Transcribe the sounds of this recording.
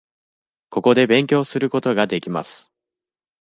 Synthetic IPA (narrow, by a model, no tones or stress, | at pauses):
ko̞ko̞d̪e̞bẽ̞ŋkʲo̞ːsɨɾɯ̟ko̞t̪o̞ɡad̪e̞kʲima̰sɨ̥